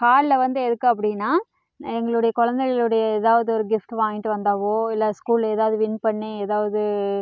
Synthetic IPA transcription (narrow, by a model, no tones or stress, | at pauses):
kaːɾlɐʋɐnd̪ɯɛðɯkːɯɐp̬ːɐɽɪnːaː | ɛŋɡɐɭɯɽɐjɐkɔɻɐnd̪ɛɣɐlɯɽɐjɐɛðaːʋɐðɯɔɾɯɡɪfʈʋaːŋɡɪʈːɯʋɐnd̪aːʋoːɪlːɐskuːleːðaːʋɐðɯʋɪnpɐɳːeɛðaːʋɐðɯ